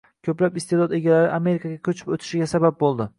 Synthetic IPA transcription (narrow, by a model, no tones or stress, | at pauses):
kʲʰɵplapɪst̪ed̪ɒd̪e̞ɡʲalaɾɪʔame̞ɾɪkʰaɡʲakʲʰɵt͡ʃʰɪ̥pot̪ʰɪ̥ʃɪɡʲasabap̚bolˠd̪ɪ